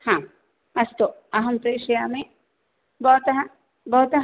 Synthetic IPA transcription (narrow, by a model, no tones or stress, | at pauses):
hã | ɐst̪oɐɦɐmpɾeːʃɐjaːme | bɐt̪ɐɦɐ | bɐɦut̪ɐɦ